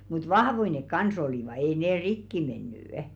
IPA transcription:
mut ʋɑhʋoi nek kɑns oliˑʋɑ ei neː rikːi menːy

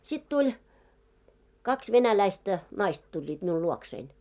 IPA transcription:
sit tulʲ kɑks ʋenælæistæ nɑist tulʲːiːt miul luoksein

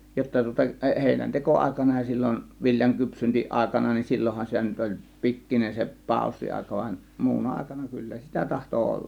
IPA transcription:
jotːɑ tŭŏtɑ eʔ heˑinænteko ɑˑe̝kɑnɑ jɑ silːon ʋiljɑŋ kypsyntiʔɑˑe̝kɑnɑ nin silːohːɑn sitæ nyt olʲ pikːinen se pɑˑo̝sːiɑˑe̝kɑ ʋɑn muːnɑ ɑˑe̝kɑnɑ kylːæ sitæ tɑhto olːɑ̥m̥

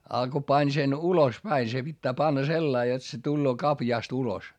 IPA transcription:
ɑ ko pɑnʲ sen ulos pæi se pitːæː pɑnːɑ selːɑi jot se tulːoː kɑpjɑˑst ulos

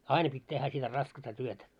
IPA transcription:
ɑinɑ pitʲ tehːæ sitæ rɑskɑstɑ tyøtæ

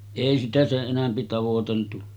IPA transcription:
eˑi sitæ seʔ ʔenæmpi tɑʋoteltu

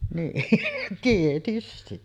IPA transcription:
niːn tietysti

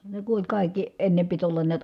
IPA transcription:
ne ku olʲ kɑˑikːi enːe pit olːɑn niæt

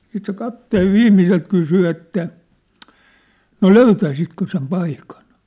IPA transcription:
siːt se kɑpteːʋ ʋiːmːiselt kysy etːæ no løytæisitkø sem pɑikɑn

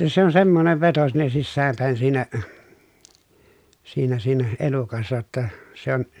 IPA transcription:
se on semːoneʋ ʋeto sinːe sisːæːm pæˑi̯n siːnæ siːnæ siːnæ elukɑsːɑ jotːɑ se on

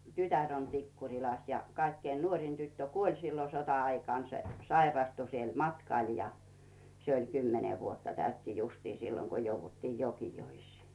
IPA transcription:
tytær on tikːurʲilɑs jɑ kɑikːein nuoˑrin tytːø kuolʲ silːo sotɑɑikɑˑn se sɑirɑstu siel mɑtkɑˑl jɑ se olʲ kymːene ʋuotːɑ tæytːi justiː silːoŋ ko jouʋːutːiːj jokijoisˑiː

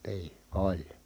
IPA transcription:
niː olʲ

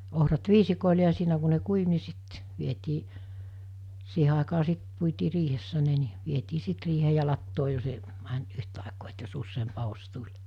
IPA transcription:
ohrɑt ʋiːsikoˑile jɑ siːnæ ku ne kuiʋ ni sit ʋietiː siːhe ɑˑikɑː sit puitiː riːhesːæ ne ni ʋietiː sit riːheː jɑ lɑtːoː jos e mænt yhtɑˑekoː et jos usːeːmp ɑhos tulʲ

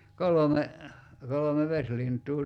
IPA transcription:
kolome kolome ʋeslintˑuː

